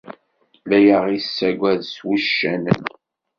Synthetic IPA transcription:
læjəʁisːæɡʷæðswuʃːæn

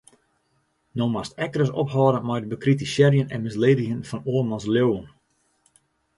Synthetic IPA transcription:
nomastɛkərəsɔpɦɔːɾəmajdəbəkritisjɛɾjənɛnmɪsleːdəxənfɔnoərmɔnsljowən

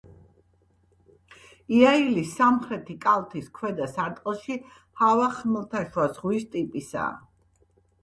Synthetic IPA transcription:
iailisːamχɾɛt̪ʰikʼalˠt̪ʰiskʰwɛd̪asaɾt̪ʼqʼlˠʃi | havaχmɛlˠt̪ʰaʃwazʁwist̪ʼipʼisa̰ː

